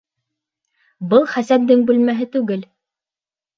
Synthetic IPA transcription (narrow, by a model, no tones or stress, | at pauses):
bɤlˠχæsæp̚d̪ɘŋbʉlmæɦɘt̪ʉɡɘl